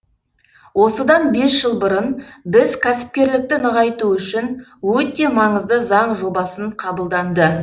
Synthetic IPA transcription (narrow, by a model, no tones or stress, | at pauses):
wo̞səd̪ɑnbe̞sʒ̥əlˠbəɾənbɪzkʲʰæsɪ̥p̚kʲe̞ɾlɪk̚t̪ɪnəʁɑjt̪uʏʃɪnwɵt̪e̞mɑɴəzd̪əzɑɴʒo̞bɑsəɴqʰɑbəlˠd̪ɑnd̪ə